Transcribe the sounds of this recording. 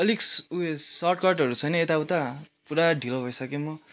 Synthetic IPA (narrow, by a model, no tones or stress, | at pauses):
ʌliksuesʌrʈkʌʈʌɾut͡sʰʌjnʌet̪awt̪apuɾaɖʱilobʱʌjsʌkemʌ